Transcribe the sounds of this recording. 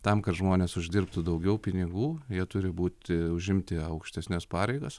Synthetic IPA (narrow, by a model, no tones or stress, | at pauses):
t̪ɐmkɐtʒmoːnʲeːsʊʒʲd̪ʲɪrpt̪ud̪ɐʊɡʲɛʊpʲɪnʲɪɡuːjiɛt̪ʊɾʲɪbuːt̪ʲɪʊʒʲɪmʲt̪ʲɪɐʊkʃʲt̪ʲɛsʲnʲɛspɑːɾʲɛɪɡos